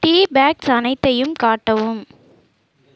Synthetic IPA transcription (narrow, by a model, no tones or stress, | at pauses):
ʈiːbaːksɐnɐɪt̪ːɐjɯmkaːʈːɐʋɯm